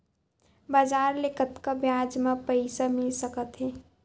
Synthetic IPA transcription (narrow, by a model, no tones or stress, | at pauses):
bad͡ʒaːɾlekət̪kabjaːd͡ʒmãpəɪsamɪlsəkət̪ɦeː